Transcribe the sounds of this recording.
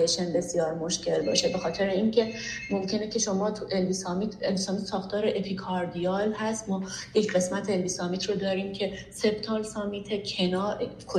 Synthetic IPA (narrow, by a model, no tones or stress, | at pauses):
eʃenbe̞sijɒːɾmo̞ʃce̞lbɒ̰ːʃebe̞xɒːt̪ʰe̞ɾeincʰe̞mo̞mcʰe̞ne̞cʰe̞ʃo̞mɒːt̪ʰuʔelvisɒːmit̪ʰelvisɒːmit̪sɒːxt̪ʰɒːɾe̞ʔepʰikʰɒɾd̪ijɒːlhæst̪mɒːjecɢe̞smæt̪ʰeelvisɒːmiːt̪ʰɾod̪ɒːɾiːmcʰe̞se̞bt̪ʰɒːlsɒːmiːt̪ʰecʰe̞nɒːʔekʰo